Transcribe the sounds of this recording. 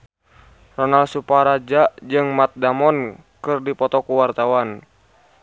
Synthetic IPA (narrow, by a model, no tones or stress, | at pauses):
rɔnalsupaɾad͡ʒad͡ʒɨŋmat̪̚damɔn | kɨrdipɔt̪ɔkuwart̪awan